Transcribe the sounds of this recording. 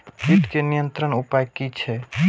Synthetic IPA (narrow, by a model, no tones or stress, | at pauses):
kiʈkenijənt̪ɾəɳupajkit͡ʃʰɛ